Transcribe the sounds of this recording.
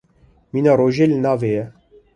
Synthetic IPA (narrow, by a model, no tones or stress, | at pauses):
miːnɑːɾoːʒeːlɨnɑːveːjɛ